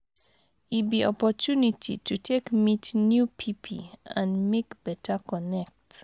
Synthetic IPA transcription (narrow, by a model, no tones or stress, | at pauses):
ibiɔpɔtunitʰḭtutʰekmitnjupʰipʰḭãnmekb̥ɛtəkɔnɛk̚t